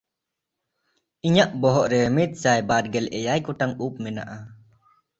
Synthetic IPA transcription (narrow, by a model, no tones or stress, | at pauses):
iɲaʔbɔɦɔʔɾɛmit̪̚sajbad̪̚ɡɛlɛjajkuʈaŋup̚mɛna̰ʔa